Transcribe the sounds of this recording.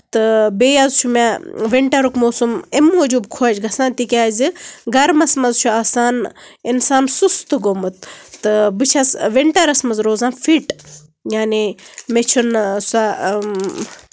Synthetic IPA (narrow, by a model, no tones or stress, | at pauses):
t̪ɨbeːjazt͡ʃʰumaʋeɳʈɐɾukmoːsumemoːd͡ʒuːbkʰoːd͡ʒɡʱɐsaːnt̪ikʲaːzɨɡɐɾmɐsmɐzt͡ʃʰuaːsaːninsaːnsust̪ɨɡomɨt̪̚ːɨbɨt͡ʃʰɐsʋiɳʈɐɾɐsmɐzɾoːzaːnfʰiʈ | jaːnimet͡ʃʰunsa